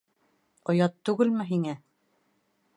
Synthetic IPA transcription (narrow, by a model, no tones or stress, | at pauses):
qŏjɑt̪ːʉɡɘlmɘɦiŋæ